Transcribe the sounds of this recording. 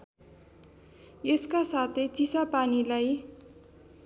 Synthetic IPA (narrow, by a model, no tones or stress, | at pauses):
eskasat̪ʰejt͡sisapanilaj